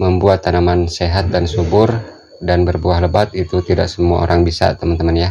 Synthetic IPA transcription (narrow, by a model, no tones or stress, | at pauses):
məmbuat̪ːanamanseɦat̪̚dansubʊr | danbərbuaɦləbat̪̚it̪ut̪ida̰ʔk̚səmuaoɾʔaŋbisa̰t̪əmant̪əmanja